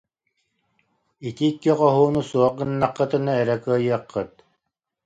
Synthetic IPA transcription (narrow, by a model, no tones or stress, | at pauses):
it̪iːkːiqɔɦuːnusuɔq̚ɡɯnːaqːɯt̪ɯnaɛɾɛkɯɐjɯɐqːɯt̪̚